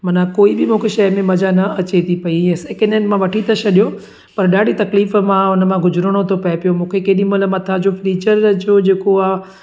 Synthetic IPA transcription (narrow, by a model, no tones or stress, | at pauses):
mɐnãkoːibɪmũːkʰeʃɐjmẽmɐd͡ʑanɐɐt͡ɕet̪ʰipɐiɛ̃seːkenenmãʋɐʈʰit̪ɐt͡ɕʰɐɗijo | pɐɾɗaːɽit̪ɐkliːfmãʊnəmãɡʊd͡ʑʊɾəɽ̃ot̪ʰopɐepijomũːkʰekeːɗĩmʊləmɐt̪ʰad͡ʑofliːt͡ɕəɾd͡ʑoːd͡ʑeːkoaː